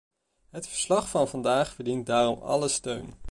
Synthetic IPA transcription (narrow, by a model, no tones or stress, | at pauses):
ɦətfəɹslɑχfɑnvɑndaːχfəɹdint̚daːrɔmɑ̰ləstøɥn